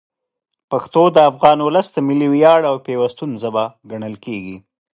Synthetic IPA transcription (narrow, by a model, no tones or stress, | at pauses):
paxt̪od̪əafɣɑnwʊləsd̪əmɪliwjɑɽawpewast̪unzabaɡaɳəlkeɡi